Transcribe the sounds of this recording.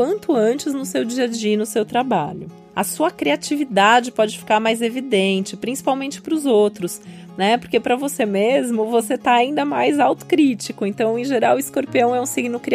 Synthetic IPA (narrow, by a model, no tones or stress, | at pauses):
ɐ̃nt̪ʊɐ̃nt͡ʃɪznʊsewd͡ʒiɐd͡ʒiinʊsewt̪ɾaba̰ʎʊ | ɐsuɐkɾiat͡ʃivid̪ad͡ʒɪpɔd͡ʒɪfi̥kaɾmajzevid̪ẽnt͡ʃɪpɾĩsi̥pawmẽnt͡ʃɪ̥pɾʊzowt̪ɾʊs | nɛpoɾkepɾɐvosemezmʊvoset̪aaĩnd̪ɐmajzawt̪ʊ̥kɾit͡ʃikʊẽnt̪ɐ̃w̃ẽʒeɾawɪskoɾpiɐ̃w̃ɛũsiɡnʊkɾi